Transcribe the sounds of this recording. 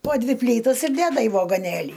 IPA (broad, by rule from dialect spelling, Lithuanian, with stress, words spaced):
poː ˈdʲʋʲɪ ˈpʲlʲiːtɐs ɪr ˈdʲæːdɐ iː ʋɐɡoːˈnʲeːlʲiː